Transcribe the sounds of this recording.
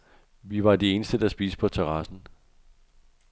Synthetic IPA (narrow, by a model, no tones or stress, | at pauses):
ʋiʋɑ̈d̥ee̝ːnəsd̥əd̥ɑsb̥iːsə̥pʰɒ̽t͡sʰeʁɑsn̩